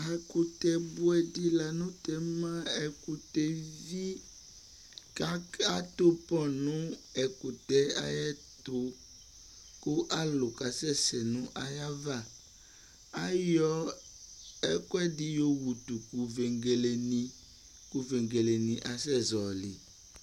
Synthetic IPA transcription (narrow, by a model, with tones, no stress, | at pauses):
a˨ku˨t̪ɛ˨bo˦ɛ˨di˦la˨nũ˦t̪ɛ˨mã˦ɛ˦ku˨t̪e˦vi˦ | a˦a˦t̪o˦pɔ̃˦nũ˦ɛ˨ku˨t̪ɛ˦a˦jɛ˦ | t̪o˦ | ko˦ʔa˦lo˨ka˨sɛ˦sɛ˨nũ˦ʔa˨ja˦va˦˨ | a˦jɔ˦ | ɛ˦kwɛ˦di˦jo˦wu˨t̪u˨ku˨ve˨ŋɡe˨le˨nĩ˦ | ku˨ve˨ŋɡe˨le˨nĩ˨ʔa˨sɛ˦zɔ˨lḭ˨